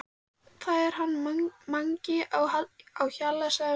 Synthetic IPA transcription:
θaðɛɾ̥ɦanːmaŋcɪʔawhaawçalːasɛ

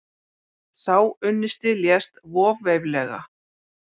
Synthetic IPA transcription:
θawʏnːɪst̪ɪljɛst̪vɔːvejvlɛɣa̰

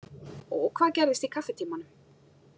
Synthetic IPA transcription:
ɔkʰvaːðcɛɾðɪst̪ikʰafːɛt̪ʰiːmanʏm

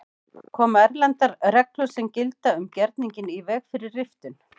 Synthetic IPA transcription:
kʰɔːmaɛɾlɛnt̪aɾɾɛklʏsɛmcɪlt̪aʏmcɛɾt̪niɲcɪnivɛːɣfɪɾɪɾːɪft̪ʏn

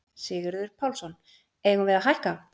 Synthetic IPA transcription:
sɪːɣɪɾðʏɾ̥pʰawlsɔnː | eːjɣʏnvɛɾðaɦajhka

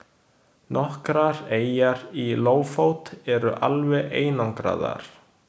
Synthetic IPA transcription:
nʔɔhkɾaɾeːjaɾiloːwfoːwt̪ɛɾʏʔalvɛʔeːjnaŋkɾa̰ːða̰ɾ̥

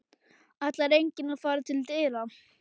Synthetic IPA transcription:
at̪laɾejɲcɪnafaːɾat̪ʰɪlt̪ɪɾa

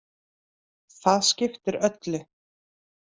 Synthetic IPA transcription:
θaðscɪft̪ɪɾœt̪lɪ

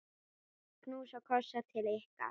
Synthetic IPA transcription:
knuːsakʰɔsat̪ʰɪlɛhka̰

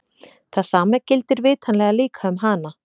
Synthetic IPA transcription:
θaðsaːmacɪlt̪ɪɾvɪːt̪ʰanlɛɣaliːkʰaʏmɦaːna

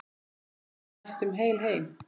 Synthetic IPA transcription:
st̪ʏmɦeːjlɦeːjm

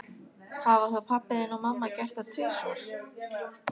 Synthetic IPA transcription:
havaθapʰapːɪðɪnɔɣmamːacɛr̥t̪at̪ʰʏsɔɾ̥

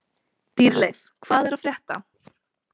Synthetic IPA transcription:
t̪iːɾlejθ | kʰvaːðɛɾaðfɾjɛht̪a̰

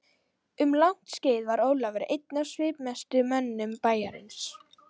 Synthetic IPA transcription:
ʏmlawn̥t̪sceːjðvaɾoːwlavɛɾɪ̰ʔejt̪̚nasvɪːpmɛst̪ʏmɛnːʏmpaːjaɾɪ̰ns

